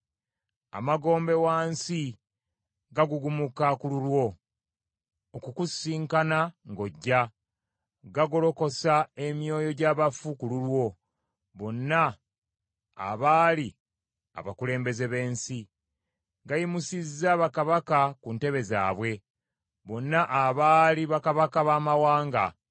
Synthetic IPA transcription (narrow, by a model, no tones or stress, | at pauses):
a̰maɡo̞ːmbe̞waːnsi | ɡaɡuɡumukakululwo̞ | okukusiːŋkanaŋɡo̞ɟːa | ɡaɡolo̞ko̞sae̞mjo̞ːjo̞ɟaːβafukululwo̞ | βo̞nːa | βaːli | a̰βakule̞ːmbe̞ze̞βe̞ːnsi | ɡajimusizːaːβakaβakakunte̞βe̞za̰ːβwe̞ | βo̞nːaʔaβaːliβakaβakaβaːmawaːŋɡa